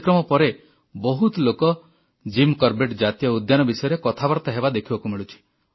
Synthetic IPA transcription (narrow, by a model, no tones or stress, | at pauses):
kɾɔmɔpɔɾe | bɔɦut̪lokɔ | d͡ʒimkɔɾbeʈd͡ʒat̪ijɔud̪janɔbisɔjɔɾekɔt̪ʰabɔɾt̪ɔɦebad̪ekʰibakumiɭut͡ʃʰi̥